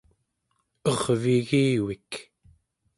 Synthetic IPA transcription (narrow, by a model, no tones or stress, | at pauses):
ʌʁviɣiːwik